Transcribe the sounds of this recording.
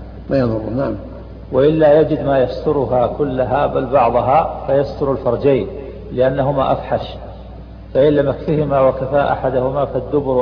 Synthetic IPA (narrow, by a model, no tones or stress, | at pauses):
maːjɑðˤʊrːnaʕam | waʔɪlːajad͡ʒɪd̪maːjast̪ʊɾʊɦakʊlːaɦabalbɑʕðˤɑɦafajast̪ʊɾalfɑɾˤd͡ʒaːn | lɪʔanːaɦʊmaʔafħaʃ | faʔɪlːamakfɪhɪmawakafaːʔa̰ħad̪ʊhʊmafad̪ːʊbʊɾ